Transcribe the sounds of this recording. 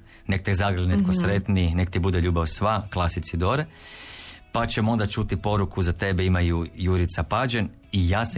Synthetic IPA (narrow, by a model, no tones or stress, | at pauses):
nek̚t̪ezaɡɾelnet̪kosɾet̪ninekt̪ibud̪eʎuːbaʋsʋaklˠasit̪sid̪oɾe | pat͡ʃemo̞nd̪at͡ʃut̪ipo̞ɾukuzat̪e̞beimajujuɾit̪sapad͡ʒen | ijaːsa